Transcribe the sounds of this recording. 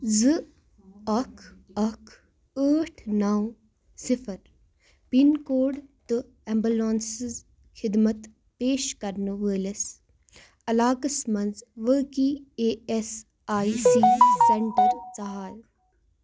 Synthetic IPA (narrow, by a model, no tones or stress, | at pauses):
zɨ | ɐkʰɐkʰ | əːʈʰnaw | sɪfʰəɾ | pinkoːɖt̪u | ɛmbulaːnsz | xʰɪd̪mət̪ | peːʃkɐɾnuʋəːles | ɐlaːkɐsmɐnzʋəkieːes | aːisiːseɳʈəɾsɐɦaːl